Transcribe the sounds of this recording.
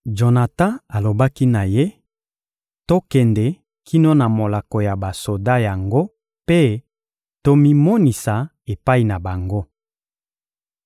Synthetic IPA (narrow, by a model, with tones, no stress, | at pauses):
d͡ʒo˨na˨tã˦a˨lo˨ba˦ki˦na˨je˦ | to˦kɛ˨ndɛ˨ | kʰi˦no˦na˨mo˨la˨ko˨ja˨ba˨so˨da˦ja˨ŋɡo˦ | pe˦ | to˦mi˦mo˦ni˨sa˨ | e˨pa˦i˨na˨ba˨ŋɡo˦